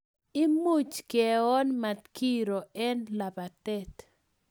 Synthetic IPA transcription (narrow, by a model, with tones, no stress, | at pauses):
i˦mu˦t͡ʃkɛ˨ɔ˦nma˨t̪ki˦ɾo˨ɛ˦nla˨ba˨tɛ˦t